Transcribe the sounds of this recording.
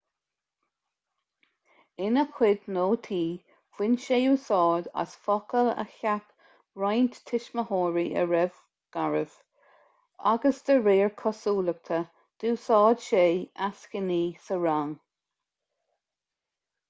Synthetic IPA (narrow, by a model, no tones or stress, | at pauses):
ɪnəkʰwɪd̪noːt̪ʰiː | fwɪnʃeːuːsɔːd̪a̰sfɔkələ̰çak | ɹajnt̪tʰɪʃməhɔːɹiʔə̰ɹɛv | ɡ̥aɹəv̥ | a̰ɡəsd̪̥əɹeːɹkʰɔsuːlək̚t̪ʰə | d̪̥uːsɑːd̪̥ʃeːaskəniːsəɹaŋ